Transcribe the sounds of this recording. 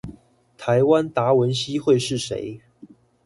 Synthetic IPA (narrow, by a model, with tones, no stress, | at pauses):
t̪ʰa˧˥ɪwa˦nt̪a˧˥wə˨˦nɕi˥xwe˥˧ɪʂɻ̩˥˨˩ʂḛ˧˥ɪ